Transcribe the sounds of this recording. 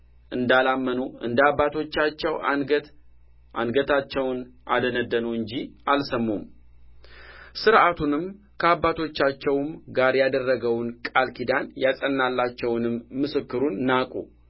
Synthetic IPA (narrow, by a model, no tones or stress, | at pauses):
ʔɨnd̪alamːənuɨ̰nd̪abat̪ʰo̞t͡ʃːat͡ʃːɛw̪ | a̰nɡət̪ʰat͡ʃːɛwnʔa̰d̪ənəd̪ːənuɨɲd͡ʒiʔalsəmːum | sɨɾʔat̪ʰunɨm | kʰəabːat̪ʰo̞t͡ʃːat͡ʃːɛwmɡaɾjad̪ərːəɡəwnkʼalkʰid̪anjasʼənːalːat͡ʃːɛwnɨmːɨsɨkːɨɾunːakʼu